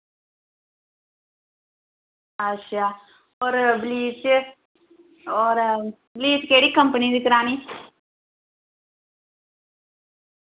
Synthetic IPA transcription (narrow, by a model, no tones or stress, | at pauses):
ɐʃʰa | oɾbliːt͡ʃ | oɾ | bliːt͡ʃkeːɽikɐmpɐniɾɯkːɪɾaːni